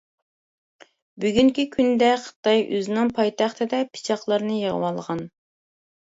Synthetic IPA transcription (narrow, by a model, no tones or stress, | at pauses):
byɡʲyŋkʲikʲʰynd̪ɛχə̥t̪ɑjʔø̰zɪnɪŋpʰɑjt̪ʰɑχt̪ʰɨd̪ɛpʰi̥t͡ʃʰɑχlˠɑɾnɨjəʁə̰wɑlˠʁɑn